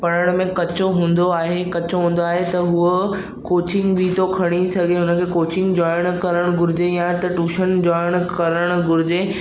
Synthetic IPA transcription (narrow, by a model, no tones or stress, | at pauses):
pɐɽ̃əɽ̃mẽkɐt͡ɕoɦũːn̆d̪oaːɦekɐt͡ɕoɦũːn̆d̪oaːɦet̪ɐɦuə | koːt͡ɕɪ̃ŋɡbʱiːt̪okʰɐɽ̃isɐɡʱeɦʊnəkʰeːkoːt͡ɕɪ̃ŋɡd͡ʑɔːɪɽ̃kɐɾəɽ̃ɡʊɾɪd͡ʑejãt̪ɐʈuːʃənd͡ʑɔːɪɽ̃kɐɾəɽ̃ʊɡʊɾɪd͡ʑe